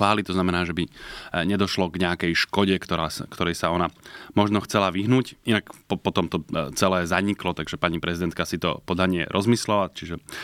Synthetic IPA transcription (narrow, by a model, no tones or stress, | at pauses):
ʋaːlit̪ɔznamɛnaːʒɛbiɲɛd̪ɔʃlɔɡɲɛakɛjʃkɔɟɛkt̪ɔɾaːskt̪ɔɾɛjsaɔnamɔʒnɔxt͡sɛlaʋiɦnuːcʔinakpɔpɔt̪ɔmt̪ɔt͡sɛlɛːzaɲiklɔt̪aɡʒɛpaɲipɾʔɛzid̪ɛnt̪kasit̪ɔ̰pɔd̪aɲɪɛ̰ɾʔɔzmislɛlat͡ʃiʒɛ